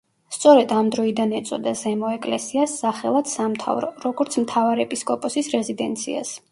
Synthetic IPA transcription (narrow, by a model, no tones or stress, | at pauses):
st̪sʼɔɾɛd̪amd̪ɾɔid̪anɛt̪sʼɔd̪azɛmɔɛkʼlɛsiasːaχɛlˠad̪samt̪ʰa̰vɾɔ̰ɾɔɡɔɾt̪sʰmt̪ʰavaɾɛpʼiskʼɔpʼɔsisɾɛzid̪ɛnt̪sʰḭa̰s